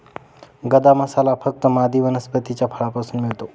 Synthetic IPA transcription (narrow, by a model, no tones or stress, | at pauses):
ɡəd̪aməsalafək̚t̪əmad̪iʋənəspət̪it͡ɕjapʰəɭapasuːnmɪɭt̪o